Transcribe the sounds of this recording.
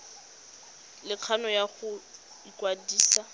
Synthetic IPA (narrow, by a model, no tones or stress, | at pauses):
lɪq͡χʰanɔjaχʊ | ikwadiːsa